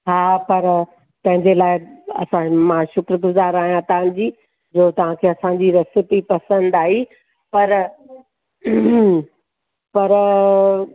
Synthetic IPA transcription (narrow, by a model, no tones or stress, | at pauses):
ɦaːpɐɾ | t̪ɐ̃ɦɪ̃ɲd͡ʑelaːɪɐ̰sãmãʃʊkɾəɡʊzaːɾaːɦijãt̪ɐã̆d͡ʑiː | d͡ʑoːt̪ɐʋ̤ãkʰeːɐsãːɲ̆d͡ʑiɾɐst̪ɪt̪ipɐsə̃nd̪aːɦiː | pɐɾ | pɐɾ